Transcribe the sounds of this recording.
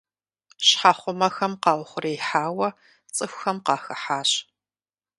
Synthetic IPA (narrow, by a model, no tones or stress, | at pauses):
ɕħaχʷʊmɐxɐmqɑːʁʊχʷʊreːjħaːwɐ | t͡sʼɨxʷxɐmqɑːxɐħaːɕ